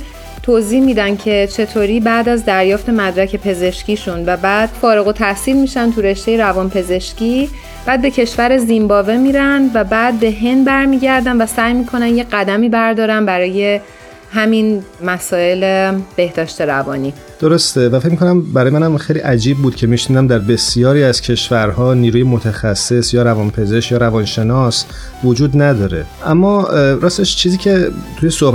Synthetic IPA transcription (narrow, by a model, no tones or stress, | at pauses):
t̪ʰoːziːhmiːd̪æncʰe̞t͡ʃʰe̞t̪ʰoːɾiːbæːd̪æzd̪æɾjɒːft̪ʰe̞mæd̪ɾæcʰe̞pʰe̞ze̞ʃciːʃunvæbæːd̪̥fɒːɾeɣo̞t̪ʰæhsiːlmiːʃænt̪ʰuɾe̞ʃt̪ejeɾævɒːnpʰe̞ze̞ʃciː | b̥æːd̪̚be̞cʰe̞ʃvæɾe̞zimbɒːve̞miːɾænd̪væbæːd̪̚be̞ɦe̞nd̪bæɾmiːɟæɾd̪ænvæsæːjmiːkʰo̞nænjeɢæd̪æmiːbæɾd̪ɒːɾænbæɾɒːje̞ | hæminmæsɒːe̞leb̥e̞hd̪̥ɒːʃt̪e̞ɾævɒːniː | d̪̥oɾost̪e̞væfecmikʰonæmbæɾɒːjemænæmxejliːʔæd͡ʒiːb̚bːuːd̪̥̚cʰe̞miʃniːd̪æmd̪æɾbe̞sijɒːɾiːæz̥cʰe̞ʃvæɾhɒːniːɾuːjemot̪ʰæxæsːe̞sjɒːɾævɒnpʰe̞zeʃkjɒːɾævɒnʃe̞nɒs | vod͡ʒuːd̪næd̪ɒːɾe̞̰ | ʔæmːɒɾɒːst̪eʃt͡ʃʰiːziːcʰet̪ʰujesoh